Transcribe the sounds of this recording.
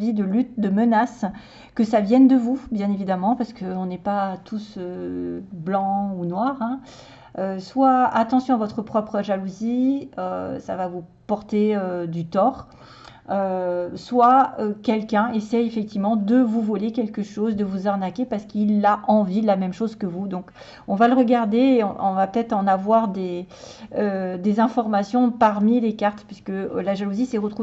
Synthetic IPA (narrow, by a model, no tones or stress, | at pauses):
vid̪əlyt̪̚d̪əmənas | kəsavjɛnd̪əvubjɛ̃nevid̪amɑ̃paʁsə̥kəɔ̃nɛpat̪ʰusø | blɑ̃unwaʁɛ̃ | øswaat̪ɑ̃sjɔ̃avɔt̪χəpχɔpχəʒaluziø̰sa̰vavupɔʁt̪eød̪yt̪ɔʁ | øswaøkʲɛlkʲɛ̃esɛjefɛk̚t̪ivmɑ̃d̪əvuvɔlekʲɛlkəʃozd̪əvuzaʁnakʲepaʁsə̥kilːaʔɑ̃vid̪lamɛmʃozkəvud̪ɔ̃k | ɔ̃valəʁəɡaʁd̪eːɔ̰̃ɔ̃vapə̥t̪ɛt̪χɑ̃navwaʁd̪e | ød̪ezɛ̃fɔʁmasjɔ̃paʁmilekaʁt̪pɥiskəlaʒaluzisɛʁət̪χu